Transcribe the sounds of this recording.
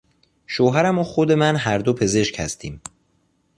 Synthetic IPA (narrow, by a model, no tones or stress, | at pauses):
ʃoːɦæɾæmoxod̪e̞mænɦæɾd̪opʰe̞ze̞ʃchæ̰st̪ʰiːm